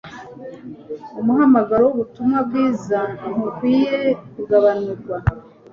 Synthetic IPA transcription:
umuɦamaɡaɾowuβutumŋwabɡiːzan̥ukwiːje̞kuɡaβanuɾɡwa

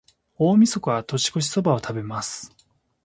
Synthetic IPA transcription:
o̞ːmʲiso̞koβat̪o̞ɕi̥ko̞ɕ̬i̥so̞bao̞t̪ʰabe̞masɨ̥

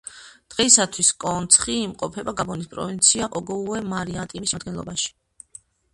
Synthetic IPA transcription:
d̪̥ʁɛisat̪ʰwiskʼɔnt̪sʰχiːmqʼɔpʰɛbaɡabɔnispʼɾɔ̰vint̪sʰiaʔɔɡɔuɛmaɾiat̪ʼimisad̪ɡɛnlˠɔ̰baʃi̥

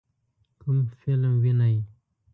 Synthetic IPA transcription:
kumfɪlmwinaj

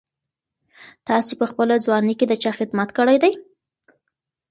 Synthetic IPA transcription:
t̪ɑsepəxpəlazwɑniked̪ət͡ʃɑxɪd̪mat̪kəɽajd̪aj

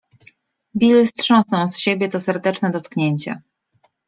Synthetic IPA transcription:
bʲilɘstʂɔ̃w̃snɔ̃w̃sɕebʲjɛt̪ɔsɛɾd̪ɛt͡ʂnɛd̪ɔt̪kɲeɲt͡ɕa̰

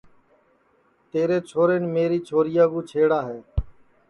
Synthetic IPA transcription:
t̪eːɾeːt͡ʃʰoːɾeːnmeːɾiːt͡ʃʰoːɾɪjaːɡũːt͡ʃʰeːɽaːɦeː

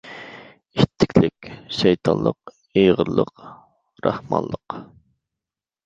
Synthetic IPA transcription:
iʃt̪ʰːɪ̥kʲʰlɪkʲʃɛjt̪ʰɑnlˠəq | ejʁəɾlˠəq | ɾʔɑhmɑ̰nlˠəq

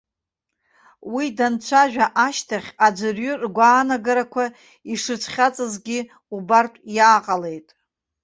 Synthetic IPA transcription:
widant͡ʃʷʰaʒᶣaʔaʃtʰaχʲad͡ʒʷɨrɥɨrɡʷaːnaɡaɾakʷʰa | iʂɨt͡sʷʰχʲat͡sʼɨzɡʲi | ubartʷʼjaːqʼale̞jtʼ

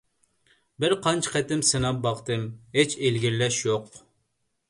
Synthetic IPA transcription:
bɪɾqʰɑnt͡ʃʰqɛt̪ɪmsɨnɑp̚bɑχt̪ɨmɦet͡ʃʰelɡʲiɾlɛʃjoq

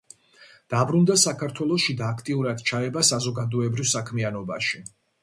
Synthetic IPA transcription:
d̪̥abɾund̪asakʰaɾt̪ʰwɛlˠɔʃid̪aːkʰt̪ʼiuɾad̪̥t͡ʃʰaɛbasazɔɡad̪ɔɛbɾivsakʰmianɔbaʃi

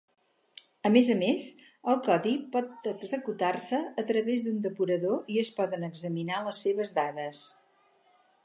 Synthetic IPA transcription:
əmezəmez | əlˠkɔðipɔt̪əɡzəkut̪arsəːt̪ɾəβezd̪und̪əpuɾəðoiəspɔðənəɡzəminaləsːeβəzðaðəs

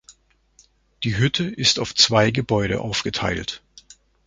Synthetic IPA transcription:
d̥iːɦʏtʰəʔɪstaʊft͡sv̥aɪɡəbɔʏɾə̰ʔaʊfɡ̥ətʰa̰ɪlt

